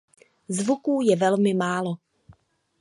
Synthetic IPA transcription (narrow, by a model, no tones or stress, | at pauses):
zvukuːjɛvɛlmɪmaːlo